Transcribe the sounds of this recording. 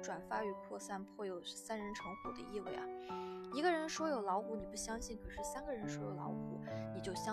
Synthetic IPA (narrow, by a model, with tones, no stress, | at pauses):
ʈ͡ʂwa˨˩nfa˥˩y˧˥pʰwɔ˥˧sa˥npʰwɔ˥˩jo˨˩ʊsa˥nɻə˧˥nʈ͡ʂʰɤ˧˥ŋxu˨˩d̪ə̰˦i˥˧we˥˩ɪɐ˩i˧˥ɡə˧ɻə˧˥nʂwɔ˥jo˨˩ʊlɑ˧˥ʊku˧˥ni˨˩pu˥˩ɕjɑ˥ŋɕi˥˩ŋkʰɤ˨˩ʂɻ̩˥˩sa˥nɡə˨ɻə˧˥nʂwɔ˥jo˨˩ʊlɑ̰˧˥ʊku˨˩˥ni˨˩t͡ɕjo˥˩ʊɕjɑ˥